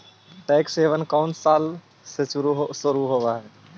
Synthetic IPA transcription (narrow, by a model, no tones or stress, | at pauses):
ʈɛkseʋənkaʊɳʈsal | sesuɾuɦsəɾuɦobaɦe